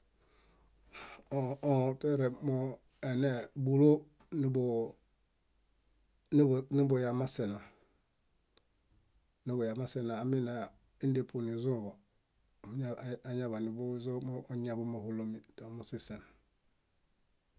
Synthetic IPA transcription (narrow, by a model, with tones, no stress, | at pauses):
o˨o˦˨te˦ɾe˨mo˦ | e˨ne˨bu˨lo˦ | n˦bo˨˦˨ | ni˦bo˨ja˨ma˦se˨na˨ | ni˦bo˨ja˨ma˦se˦na˨a˨mi˦na˨ | i˦n˦de˨pʰu˨ni˨zũ˦˨bo˨˦ | a˨a˨ɲa˦βa˨ni˨bu˦zo˦mː˦ɲa˨bu˦ma˨hu˨lo˦mi˨do˨mu˦˨si˦˨se˨n